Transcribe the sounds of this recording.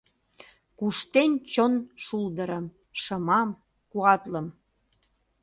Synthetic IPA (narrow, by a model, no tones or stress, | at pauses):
kuʃt̪enʲt͡ɕonʃuld̪əɾəm | ʃəmɑm | kuɑt̪ləm